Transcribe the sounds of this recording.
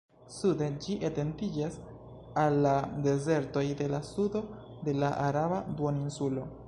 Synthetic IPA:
sude̞d͡ʒiʔete̞ntid͡ʒas | alːade̞ze̞ɾto̞jde̞lasudo̞ | de̞laʔaɾabaduoninsulo̞

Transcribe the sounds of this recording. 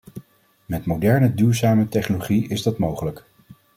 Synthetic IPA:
mɛtmowdɛɹnədyːɹzaːmətɛχnoloχiɪzdɑtmowχələk

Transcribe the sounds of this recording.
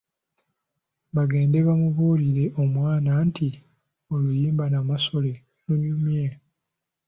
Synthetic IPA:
βaɡe̞ːnde̞βamuβuːliɾe̞ʔo̞mwaːnaːnti | olujiːmbanamaso̞le̞ | nuɲumje

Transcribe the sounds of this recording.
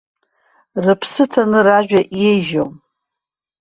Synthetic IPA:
rɨpʰsɨtʰanɨraʒᶣaʔjejʒo̰m

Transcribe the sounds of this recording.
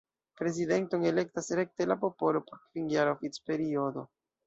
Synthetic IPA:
pɾe̞zide̞ntoŋele̞k̚tasɾe̞k̚te̞lapo̞po̞lo̞po̞ɾkviŋɡaɾofit͡spe̞ɾio̞do̞

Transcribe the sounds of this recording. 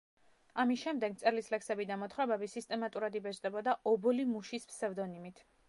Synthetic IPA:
amisʃɛmd̪ɛɡt̪sʼɛɾlislɛksɛbid̪amɔt̪χɾɛbɛbisist̪ʼɛmat̪ʼuɾad̪ibɛt͡ʃʼd̪ɛbɔd̪aɔbɔlimuʃispsɛvd̪ɔnimit̪ʰ

